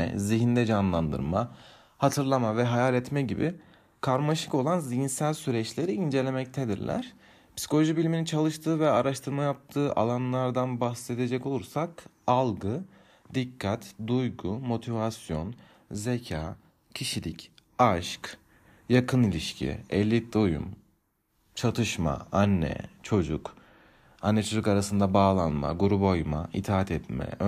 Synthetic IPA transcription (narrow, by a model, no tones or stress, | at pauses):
ɛ̰ziɦind̪ɛd͡ʒanlˠand̪ɯ̰ɾma | hat̪ʰɯɾlˠamavɛɦajalʲɛt̪mɛɟibɪ̰ | kʰaɾmaʃɯ̥ko̞lˠanzijinsælʲsyɾɛt͡ʃlʲe̞ɾiind͡ʒe̞lʲemɛc̚t̪ʰɛd̪iɾlʲʔæ̰ɾ̥ | psi̥kʰolʲo̞ʒibilʲminint͡ʃʰalˠɯʃt̪ʰɯːvɛaɾaʃt̪ʰɯɾmajap̚t̪ʰɯːʔa̰lˠanlˠaɾd̪anbaxse̞d̪ed͡ʒɛco̞lˠuɾsak | alˠɡɯ | d̪ikʰːat̪d̪ujɡumo̞t̪ʰivasjo̞n | ze̞cʰaː | cʰiʃilʲic | aʃk | jakʰɯnilʲiʃcʰḭɛlʲːid̪ojṵm | t͡ʃʰat̪ʰɯʃma̰anːɛ̰t͡ʃʰo̞d͡ʒuk | anːɛt͡ʃʰod͡ʒukaɾasɯnd̪abaːlˠanma̰ɡuɾubo̞jma̰it̪ʰaːat̪ʰɛt̪mɛ̰